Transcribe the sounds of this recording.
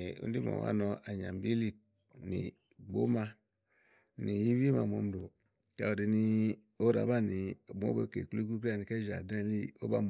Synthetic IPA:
ṵ˦n˦di˦mo̰˨wa̰˦nɔ˨a˨ɲa˨m˨bi˦li˦ | nḭ˨ | ɡ͡bo˦ma˦ | ni˨ji˦wi˦ma̰˨mo˨˦m̩˦do˨ | ka˨o˨di˨ni˦ | o˦ɾa̰˨˦ba˦˨ni˨mo̰˦bo˨kḛ˨ku˦lu˦k̬u˦k̬a˦˨ni˨ke˦d͡ʒa˨dã˦˨li˦o˦ba˦m

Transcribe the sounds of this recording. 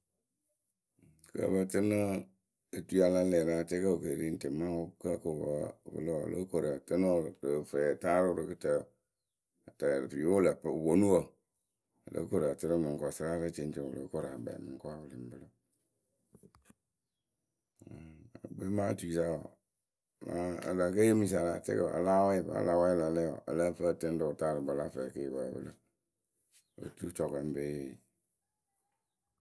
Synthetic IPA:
kə̰˨˦ba˦tɨ˦nɨ˦ | ə˨tu˦a˨la˦lɛ˨ɾa˨tɛ˦ka˦o˨ke˨ɾi˦n̩˦te˨ma˦o˦ka˦ko˨ba˨bɨ̰˨˦lo̰˦˨lʔo̰˦ko˨ɾa˨tɨ˦no˦˨ɾɾə˨fɛ˨ta˦ɾʊ˦ɾɨ˨kɨ˦tə˨ | ta˨pi˨jo˦la˨pwo˨˦nu˦wo˨ | lʔə̰˦ko˦˨ɾa˨tɨ˦ɾɨ˦mɨ˨ŋ˨kɔ˨sɨ˦ɾa˦ɾa˦t͡ʃe˨n˦t͡ʃe˨wʊ̰˨lo̰˨˦ko˦ɾa˨ba̰˨mɨ˨ŋ˦kwa˦wʊ˨lɨ˨m˨bɨ˦lo˦˨ | ə˨be˦ma˦tu˨i˨sa˦wa˨ | ma˨˦ə̰˨la˨ke˦e˦mi˨sa˨la˨t͡ʃḛ˦kə̰˨a̰˨la˦we˦ba̰˨˦la˦wɛ˦la˨lɛ˦ɔ̰˨ə̰˨la˦fə˦˨te˦n˦do˨ta˦˨ɾɨ˨ba˨la˦fə˨ke˦˨ba̰˨bə̰˦lə˦ | wo̰˨tu˦t͡ʃɔ˨kɛ˨˦m˦be˦˨

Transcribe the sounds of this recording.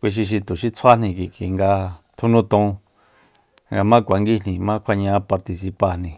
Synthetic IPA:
kʷi˧ʃ̬i˧ʃ̬i˧t̪u˨ʃi˦t͡sʰa˦nĩ˧ki˨ki˨ŋɡa˧t̪ʰu˧nũ˦t̪ũ˧ | ŋɡa˧mã˦kʷa˨˧ŋɡi˦n̥ĩ˧mã˦kʷʰa˧ɲã˦pa˧ɾt̪i˧s̬i˧pa˧˨n̥ĩ˧

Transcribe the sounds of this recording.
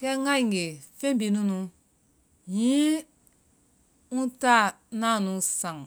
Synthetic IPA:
kɛ˦ŋa˦i˨ŋ˨ɡe˨fe˦bi˨nu˦nũ˦ | jĩ˦ | ũ˦ta˦ | na˦˨nũ˨sã˨ŋ

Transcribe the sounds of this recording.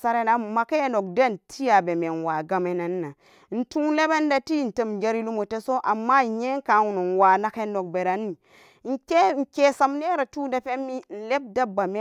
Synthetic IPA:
sa˦ɾe˨na˨˦ma˨ke˦jno˨k̚da˦n˨tʰi˦ja˨be˨me˨n˨wa˨ɡa˨me˨na˨nː˦a˨ | n̩˨tu˦le˦be˦n˦da˦ti˦˨n̩˨te˦m˨d͡ʒa˦ɾi˦lu˦mo˨te˦so˦ʔa˨mːa˦˨ɲe˦ŋ˦ka˨˦wu˨no˨n˨wa˨na˦ke˦no˨k̚be˨ɾa˨nːi˨˦ | ŋ̩˦ke˦ŋ̩˨ke˦sa˨mne˦ɾa˨tu˦da˦pe˦mːi˦n̩˨le˦b̚da˦ba˨me˦

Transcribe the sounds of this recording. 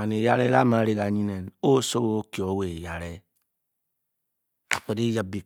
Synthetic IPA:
a˨ne˨ja˦ɾe˦la˦ma˨˦ɾe˦ɣa˨ɲi˦ne˨no˦so˦wo˦o˦ki˨o˨˦we˨ja˨ɾe˦ | a̰˨k͡pe˨de˦ja˦bi˨

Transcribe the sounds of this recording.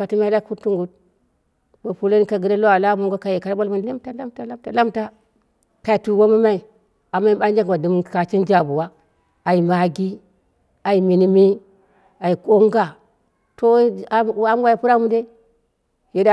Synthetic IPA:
a˨ti˦m˦a˦a˦ku˦tu˦ŋɡu˨t̚ | mo˨pu˨lo˦ni˦ka˨ɡi˨ɾa˦lo˦a˨la˦mo˦ŋɡo˦ka˨je˨ka˨ɾbo˦lmu˦nle˦mta˦la˦mta˨˦la˦mta˨la˦mta˦ | ka˨i˨tu˨wo˦ma˦ma˦i˨ | a˨ma˦i˦ɓa˦n˦d͡ʒa˦kwa˨di˨m˦˨ka˨t͡ʃi˦nd͡ʒa˨bu˨wa˦ | a˨i˨ma˨ɡi˦ | a˨i˨mi˨ni˦mi˦ | a˨i˨ko˦ŋɡa˨ | to˦ | a˦m˦wa˦ja˨pu˦ɾa˦mu˦de˦ | je˨˦da˦

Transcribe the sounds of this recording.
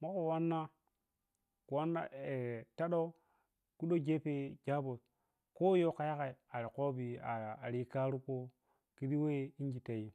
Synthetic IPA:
ma˦ko˨wa˦nːa˦ | ku˨wa˦nːa̰˦e˨ta˦ɗo˦ | ku˦ɗo˦d͡ʒe˦pe˦d͡ʒa˦bo˨s | ko˦jo˦ka˨ja˦ka˨i˨a˨ɾi˨ko˦bi˨a˨a˨ɾi˦ka˦ɾu˦ko˦ | ki˦di˦we˦i˦ŋ˦ɡi˨ta˨ji˦

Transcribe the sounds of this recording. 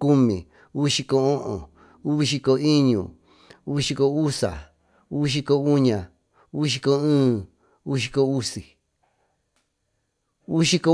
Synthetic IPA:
ku˦mĩ˨ | u˦˧ʃi˧ko˧õ˦ʔõ̰˨ | u˦βi˧ʃi˧ko˧i˦ɲṵ̃˨ | u˦˧ʃi˧ko˧u˦sa̰˨ | u˦˧ʃ̬i˧ko˧u˦ɲã˨ | u˦˧ʃ̬i˧ko˧ɨ̃ː˦ | u˦ʃ̬i˧ko˧u˦si˨ | u˦ʃi˧ko˧˦

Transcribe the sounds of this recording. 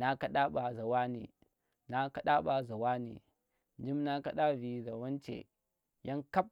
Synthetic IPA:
na˦kɐ˦ɗa˦ɓa˨za˨wa˦nḭ˨ | na˦kɐ˦ɗa˦ɓa˨za˨waː˦nḭ˨ | d͡ʒi˦mna˦kɐ˦ɗa˦vi˨za˨wɐ˦nt͡ʃḛ˨ | ja˦ŋkɐ˦p̚

